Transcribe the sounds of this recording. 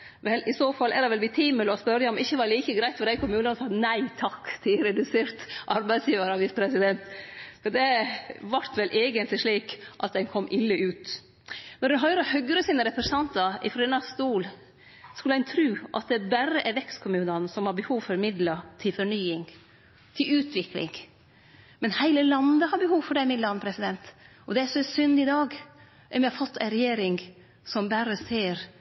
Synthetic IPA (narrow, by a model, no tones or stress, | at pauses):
ʋɛlɪsoːfɑlːʔæɾɛʋɛlʋɪt̪ʰiːməlɔspœɾəjɑɔmɪçːəʋɑɾliːkəɡɾæɪt̪fɔɾd̪æɪkʰʊmʉːnənsɑnæɪt̪ʰɑkːsiːəɾɛd̪ʉseːɾt̪ʔɑɾbæɪsjiːʋɑɾɑʋiːsə̥pʰɾɛsɪd̪ɛnt̪fɔd̪ɛʋɑɾt̪ʋɛlʔeːɡənt̪lɪʂɭiːkʔɑt̪̚d̪ɛnkʰɔmːʔɪlːəʔʉːt̪ | mɛnʉnɦœʏɾəhœɡɾəsiːnəɾɛpɾəsɑnt̪ɑɪ̰fɾɔɛːnɑst̪uːl | skʉlːɛnt̪ʰɾʉːʔɑ̰t̪̚d̪ɛbæɾəʔæɾʋɛkst̪kʰʊmʉːnɑnsɔmhɑɾbəhuːʋfɔɾmɪd̪lət̪ʰɪlfɔɳyːɪŋ | t̪ʰɪlʉːt̪ʰʋɪklɪ̰ŋ | mɛnhæɪləlɑnd̪əhɑɾbəhuːʋfɔɖɛmɪd̪lɑnəpʰɾɛsɪd̪ɛnt̪ | ɔd̪ɛæsɔɛsʏnd̪ɪd̪ɑːɡ | ɛmjɛhɑfɔt̪ʰːæɪɾɛjeːɾɪŋ | sɔmbæɾəseːɾ